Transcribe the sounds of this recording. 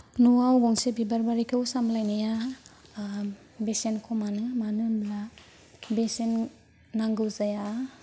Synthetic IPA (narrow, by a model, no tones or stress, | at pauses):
nuawɡɔŋsebibaɾbaɾikʰɯwsamlajnaja | besenkʰɔmanɯmanɯbla | besenː | aŋɡɯwzaja